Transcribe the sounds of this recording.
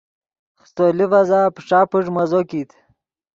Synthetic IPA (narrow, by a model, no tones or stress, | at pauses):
χst̪olivazaːpʂaːpuʐmɐzokit̪ʰ